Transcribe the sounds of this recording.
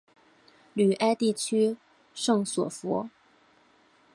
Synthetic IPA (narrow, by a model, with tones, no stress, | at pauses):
ly˨˩ʔa˥ɪt̪i˥˩t͡ɕʰy˥ | ʂɤ˥˩ŋswɔ̰˨˩fṵ˧˥